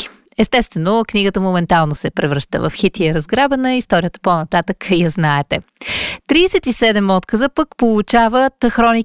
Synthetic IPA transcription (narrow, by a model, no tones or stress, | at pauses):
i̥ | ɛst̪ɛst̪vɛnokniɡət̪əmomɛnt̪alˠnosɛpɾɛvɾɤʃt̪ə̰və̰fxit̪iəɾəzɡɾabənəist̪ɔɾʲiət̪ə̥ponɐt̪at̪əkijɐznaɛt̪ɛt̪ɾiːsɛt̪isɛd̪ɛmɔt̪kəzəpəkpolˠut͡ʃavət̪xɾɔni